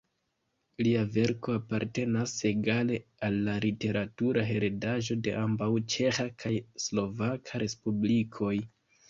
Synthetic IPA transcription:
liave̞ɾko̞apaɾte̞nase̞ɡale̞alːalite̞ɾatuɾʔaɦe̞ɾe̞daʒo̞de̞̰ʔambawt͡ʃe̞xakʰajslo̞vakʰaɾʔe̞spublikʰo̞j

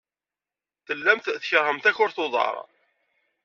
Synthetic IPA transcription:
θəlːæmt̪θçəɾˤhəmt̪æçʊɾθʊðˤɑ̰ɾˤ

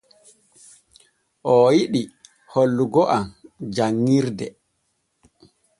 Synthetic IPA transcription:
ʔɔjiɗi | holːuɡɔʔamd͡ʒaŋːiɾdɛ

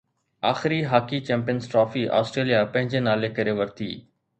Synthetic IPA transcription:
aːxɪɾiːɦaːkiːt͡ʃɛ̃ːmpijənsʈɾɔːfiːʔa̰ːsʈɾeːlijapɐ̃ɦɪ̃ɲd͡ʑenaːlekɐɾeːʋɐɾt̪ʰḭː

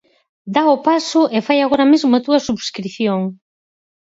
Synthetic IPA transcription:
d̪aopasʊʔefajaɣoɾɐmezmoat̪uɐsuβskɾiθjoŋ

